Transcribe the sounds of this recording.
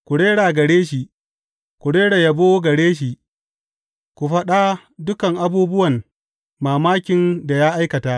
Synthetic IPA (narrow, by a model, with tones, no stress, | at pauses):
kʷu˨ɽeː˦ɽaː˨ɡɐ˨ɽeː˦ʃi˨ | kʷu˨ɽeː˦ɽa˨jɐ˨boː˦ɡɐ˨ɽeː˦ʃ̬i˨ʔ | kʷu˨ɸɐ˦ɗa˦ | dʊ˦kɐ˨ŋʔa˦buː˦bʊ˦wɐ˨n | maː˨maː˦kʲɪ˨nda˨jaː˦ʔa˦jkɐ˨taː˦ʔ